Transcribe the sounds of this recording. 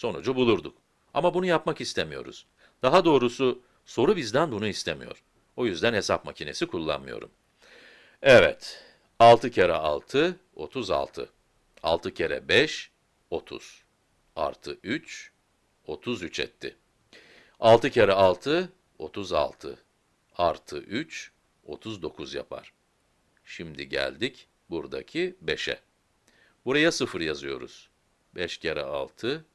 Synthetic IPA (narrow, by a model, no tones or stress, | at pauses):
so̞nud͡ʒubulˠuɾd̪uk | amabunujapmakist̪ʰemijo̞̰ɾṵz̥ | d̪̥aɦad̪o̞ːɾusu | so̞ɾubizd̪ænbunuist̪ʰemḭjo̞̰ɾ̥ | ojyzd̪ænhe̞sapmacʰine̞̰sikʰulˠːa̰nmɯjo̞̰ɾṵm | ɛvɛ̰t̪ | alˠt̪ʰɯcʰeɾɛ̰a̰lˠt̪ʰɯ | o̞̰t̪ʰuza̰lˠt̪ʰɯ̰ | a̰lˠt̪ʰɯcʰeɾɛ̰bɛʃ | o̞t̪ʰṵz̥ | a̰ɾt̪ʰɯʔyt͡ʃ | o̞t̪ʰuzyt͡ʃʰɛ̰t̪ʰːɪ | alˠt̪ʰɯcʰeɾɛalˠt̪ʰɯ | o̞t̪ʰuza̰lˠt̪ʰɯ̰ | aɾt̪ʰɯʔyt͡ʃ | o̞t̪ʰuzd̪o̞kʰuzja̰pʰa̰ɾ̥ | ʃimd̪iɟæ̰lʲd̪ic | buɾd̪a̰cʰibeʃɛ̰ | buɾajasɯfɯɾjazɯjo̞ɾṵz̥ | bɛʃcʰeɾɛ̰alˠt̪ʰɯ